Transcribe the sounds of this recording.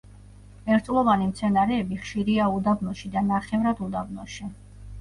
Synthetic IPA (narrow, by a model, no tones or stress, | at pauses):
ɛɾt̪sʼlˠɔvanimt̪sʰɛnaɾɛːbiχʃiɾiaud̪abnɔʃid̪anaχɛvɾad̪ud̪abnɔʃi